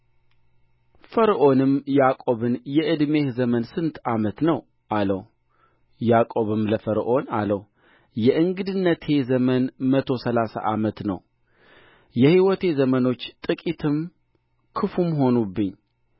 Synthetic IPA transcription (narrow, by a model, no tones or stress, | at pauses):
fəɾʔo̞nɨmjakʼo̞βɨnjɛʔɨd̪me̞hzəmənsɨnt̪ʰamət̪nəw | ʔaləw | jakʼo̞βɨmləfəɾʔo̞na̰ləw | jɛʔɨŋɡɨd̪ɨnːət̪ʰe̞zəmənmət̪ʰo̞səlasa̰ʔamət̪nə̰w | jɛhiwɔt̪ʰe̞zəməno̞t͡ʃːt̪ʼɨkʼit̪ʰɨm | kʰɨfumɦo̞nubːɨɲː